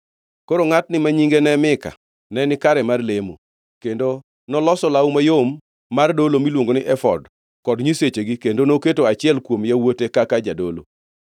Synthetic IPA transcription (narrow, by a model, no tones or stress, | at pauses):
koɾoŋatnɪmaɲiŋɡenɛmɪka̰ | nɛnɪkaɾɛmarlemo | kendo | nɔlɔsɔlaumajomː | ardolomilwoŋɡonɪʔɛfɔd | kɔdɲiset͡ʃeɡikendonoketoat͡ʃɪɛlkwomjawotekakad͡ʒadolo̰